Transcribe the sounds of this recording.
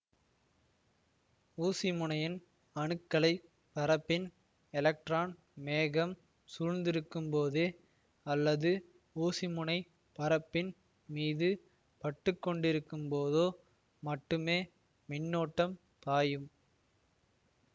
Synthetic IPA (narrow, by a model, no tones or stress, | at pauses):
uːsɪmʊɳɐjɪn | ɐɳɯkːɐɭɐɪ | pɐɾɐpːɪn | ɛlɐk̚ʈɾaːn | meːɣɐm | suːɻnd̪ɪɾɯkːɯmpoːðeː | ɐlːɐðɯ | uːsɪmʊɳɐɪ | pɐɾɐpːɪn | miːðɯ | pɐʈːɯkːɔɳɖɪɾɯkːɯmpoːðoː | mɐʈːɯmeː | mɪnːoːʈːɐm | t̪aːjɯm